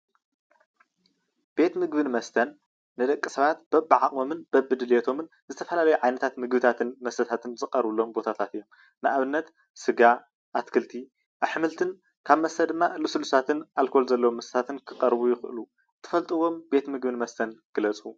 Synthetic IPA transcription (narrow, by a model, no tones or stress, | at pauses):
b̥e̞t̪mɨɡbɨnmɐst̪ʰɐnː | ɨd̪ɐkʼːisɐβat̪b̥ɐbːɨʕaʔʼo̞mɨnb̥ɐbːɨd̪ɨljet̪ʰo̞mɨn | zɨt̪ʰɐfɐlalɐjuʕajnɐt̪ʰat̪mɨɡbɨt̪ʰat̪ʰɨnmɐst̪ʰɐt̪ʰat̪ʰɨnzɨqʼɐɾβɨlːo̞mbo̞t̪ʰat̪ʰat̪ɨjːo̞m | nɨʔaβɨnːɐt̪ | sɨɡa | ʔat̪kʰɨlt̪ʰi | ʔaβħɨmɨlt̪ʰɨn | kʰaβmɐst̪ʰɐd̪ɨmːaɨlusɨlusʰat̪ʰɨnʔalkʰo̞lzɐlːɐwomːɐst̪ɐ̥t̪at̪ʰɨnkʰɨqʼɐɾβujɪxʔlu | t̪ʰɨ̥fɐlt̪ʼɨwo̞mbe̞t̪mɨɡbɨnmɐst̪ʰɐnɡ̥ɨlɐt͡sʼu